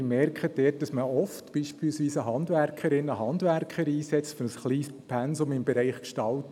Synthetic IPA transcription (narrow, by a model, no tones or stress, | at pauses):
mɛrkχəd̥ɛːt̚dɑsməɔftb̥iːʃpilsʋiːsəɦɑndʋærkʰəɾɪnːəɦɑndværkχəɾiːsɛt͡stfønəsχliːspʰɛnsʊmɪmbɛɾɛɪχkʃtɑlt